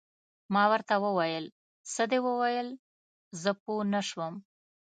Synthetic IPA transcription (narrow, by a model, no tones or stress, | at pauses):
mɑwəɾt̪awəwajəl | səd̪ewəwajəl | zəpunəʃwəm